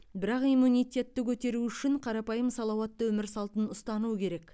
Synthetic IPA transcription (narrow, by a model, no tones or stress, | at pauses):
bɪɾɑqijmunijt̪ʲe̞t̪ːɪkʲʰɵt̪e̞ɾuʏʃɪɴqʰɑɾɑpɑjəmsɑlˠɑwɑt̪ːəwɵmɪɾsɑlˠt̪ənʊst̪ɑnuəkʲʰe̞ɾe̞k